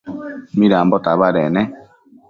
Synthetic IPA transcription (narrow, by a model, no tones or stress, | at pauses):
miɾambɔtaβaɾɛnɛ